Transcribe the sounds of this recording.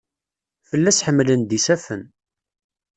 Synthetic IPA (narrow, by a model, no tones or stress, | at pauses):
fəlːæsħəmːlənd̪isæfən